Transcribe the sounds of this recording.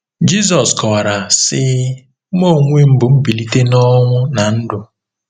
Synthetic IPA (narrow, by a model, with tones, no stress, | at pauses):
d͡ʒi˦z̬ɔ˨skɔ˨wa˨ɾa˨sɪ˦ | mo˦˨ŋʷe˦m̩˦bʊ˨m̩˦bi˨li˦te˦nɔ˦ŋʷʊ˦na˨n̩˦dʊ˨